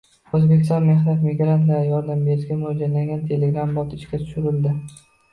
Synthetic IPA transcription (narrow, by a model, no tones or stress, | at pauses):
ɵzbe̞kʲɪst̪ɒnme̞hnat̪mɪɡɾant̪laɾɪjɒɾd̪ambeɾɪʃɡʲamʊhd͡ʒalaŋɡʲant̪ʰe̞leɡɾambɒt̪ɪʃkʲat̪ʰʊ̥ʃʊɾɪld̪ɪ